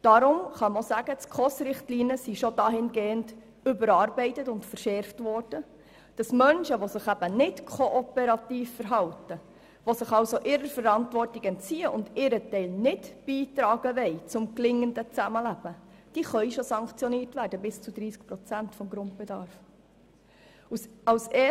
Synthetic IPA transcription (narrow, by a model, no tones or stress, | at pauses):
d̥ɑɾʊmχɑmosæɡət͡skʰɔsɾɪχtliːniəsiʃod̥ɑːɦɪnɡeːənd | ʏbəɾɑːrbɛɪtətʊntfəɾʃɛrftʋɔrd̥ə | d̥ɑsmœnʃəʋosɪχæb̥ənɪtkʰoʔɔpɛɾɑtiːfːəɾɦɑwtə | ʋosɪχɑwsoʔɪɾəɾfəɾɑntʋɔrtiɡɛntt͡siːəʔʊndɪɾətɛɪlnɪtb̥iːtɾɑːɡəʋɛɪt͡sʊmklɪŋːəndət͡sæməlæb̥əd̥iːχœʏjʃosɑŋkt͡sjɔniːrtʋæːɾd̥əbɪst͡sud̪ɾiːsk̚pɾɔt͡sæntfɔmɡɾʊnt̚bɛdɑːɾf | usɑwse